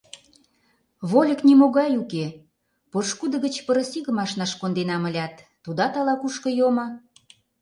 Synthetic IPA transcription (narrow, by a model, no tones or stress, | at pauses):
βolʲəknimoɣɑjuke | poʃkud̪ə̆ɣə̆t͡ɕpəɾə̆siɣə̆mɑʃnɑʃkond̪enɑmə̆lʲɑt̪ːud̪ɑt̪ɑlɑkuʃkɤ̆jomɤ̆